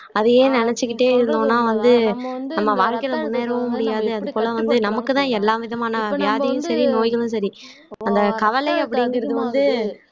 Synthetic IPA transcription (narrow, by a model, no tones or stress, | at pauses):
ɐðɯeːnɪnɛt͡ʃːɯkːɪʈːeːɪɾɯnd̪õːnːaːʋɐnd̪ɯ | nɐmːɐʋaːɾkɐjlɐmʊɳːeːɾɐʋʊ̃mʊɽɪjaːðɯɐðɯpoːlɐʋɐnd̪ɯnɐmɐkːɯt̪ãːɛlːaːʋɪðɐmaːnɐʋɪjaːðɐjʊ̃sɐɾinoːjɣɐɭɯ̃s̬ɐɾi | ɐnd̪ɐkɐʋɐlɐɪɐpːɐɽɪŋɡɪɾɐðɯʋɐnd̪ɯ